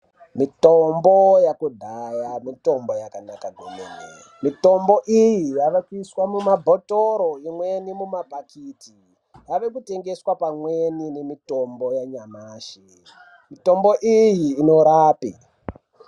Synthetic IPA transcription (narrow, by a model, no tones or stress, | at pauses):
mitombojakudʱajamito̞mbo̞jakanakaɡʱomḛnḛ | mito̞mboʔijijaʋakiswamumabʱotoɾoimwe̞nimumapakiti | jaʋe̞kute̞ŋɡe̞swapamweninemito̞mbo̞jaɲamaːʃe | mito̞mboʔijiːno̞ɾaːpi